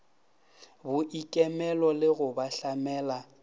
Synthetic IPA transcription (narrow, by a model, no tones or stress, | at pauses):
bʊʔikʼɛmɛlɔlɪɣʊbaɬamɛːla